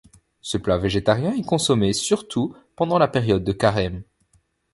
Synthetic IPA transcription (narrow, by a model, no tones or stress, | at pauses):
səplaveʒet̪aʁjɛ̃ɛkɔ̃sɔmesyʁt̪ʰu | pɑ̃d̪ɑ̃lapɛʁjɔd̪ːəkaʁɛm